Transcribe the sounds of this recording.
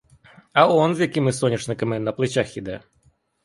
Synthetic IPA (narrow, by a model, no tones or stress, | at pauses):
ɐonzʲjɐkʲimɨsɔnʲɪʂnɨkɐmɨnɐplˠɨt͡ɕaxjɪd̪ɛ